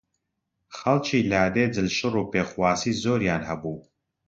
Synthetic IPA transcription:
xɐlt͡ʃʰiːlaːd̪eːd͡zɨlʃɨruːpeːxwaːsiːzoːɾjaːnhɐbuː

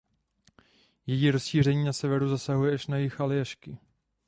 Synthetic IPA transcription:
jɛjiːɾosʃiːr̝ɛɲiːnasɛvɛɾuzasaɦujɛaʃnajɪxalɪjaʃkɪ

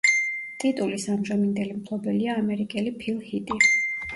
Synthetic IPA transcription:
t̪ʼit̪ʼulisamʒamind̪ɛlimtʰlˠɔbɛliaːmɛɾikʼɛlipʰilˠhit̪ʼi

